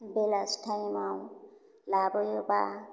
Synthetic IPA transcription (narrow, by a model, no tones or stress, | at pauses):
belasʈʰajmaw | labɔjoba̰